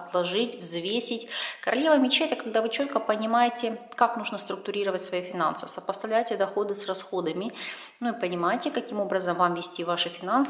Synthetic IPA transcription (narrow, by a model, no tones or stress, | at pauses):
ɐt̪lˠɐʐɨtʲvzvʲesʲɪtʲkəɾɐlʲe̞vəjmʲɪt͡ɕet̪ʲəkɐɡ̚d̪avɨt͡ɕo̞t̪̚kəpənʲɪmajɪtʲɪkaknuʐnəst̪ɾʊk̚t̪ʊɾʲiɾəvətʲsvɐjifʲɪna̰nsɨ̥səpəst̪ɐvlʲæjtʲɪd̪ɐxo̞d̪ɨsrɐsxo̞d̪əmʲɪ | nuɪpənʲɪmajɪtʲɪkɐkʲimo̞bɾəzəmvamvʲɪsʲtʲivaʂɨfʲɪnans